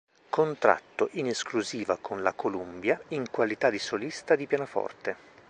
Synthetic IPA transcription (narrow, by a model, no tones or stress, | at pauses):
kont̪ɾa̰t̪ːoʔineskluziːvakʰonlakolumbjaiŋkwalit̪ad̪isolist̪ad̪ipjanafɔ̰rt̪e